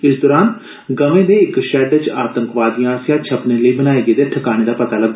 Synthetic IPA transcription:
ɪsd̪ɔːɾaːn | ɡəʋẽːd̪eːɪkʃɛːɖt͡ʃaːt̪ə̃ŋkʋaːd̪ijãːɾsjãt͡ʃʰəpneːləiːbənaːeːɡeːd̪eːʈʰəkaːɽ̃eːd̪aːpət̪aːləɡ̚d̪

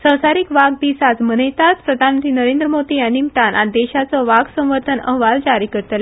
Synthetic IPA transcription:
sə̃w̃saɾiːkʋaɡ̚d̪isat͡smənəjt̪at͡spɾəd̪ʱanmənt̪ɾinəɾẽnd̪ɾəmod̪iənimʈ̪anʔad̪ɛɕat͡sɔʋaɡsə̃w̃ʋəɾt̪ʰənə̰ɦʋald͡ʑaɾiːkəɾt̪l

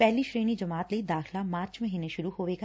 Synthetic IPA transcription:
pɛɦliʃɾeːnid͡ʒɐmaːt̪leid̪aːxlamãːt͡ʃmɐɦiːneʃʊɾuhoːʋeːɡa

